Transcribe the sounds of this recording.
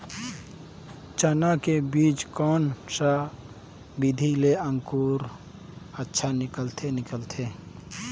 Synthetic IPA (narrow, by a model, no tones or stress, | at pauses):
t͡ʃanakebiːt͡ʃkɔːnsa | bid̪ʱileə̃ŋkuːɾ | ətːʃʰanɪkəlt̪ʰenɪkəlt̪ʰe